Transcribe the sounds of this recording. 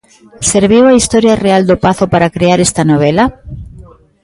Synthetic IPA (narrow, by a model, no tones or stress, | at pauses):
seɾβ̞iwaist̪oɾjareald̪opaθopaɾakɾeaɾest̪anoβ̞ela